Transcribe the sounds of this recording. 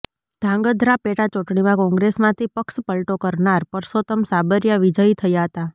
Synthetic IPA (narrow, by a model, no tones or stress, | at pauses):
d̪̥ʱãŋɡəd̪ʱɾapeʈat͡ʃuʈɳimãkɔ̃ŋɡɾesmãt̪ʰipəkʃpəlʈokəɾɳaɾpəɾsot̪əmsabəɾjəʋid͡ʒəit̪ʰəjaɦət̪a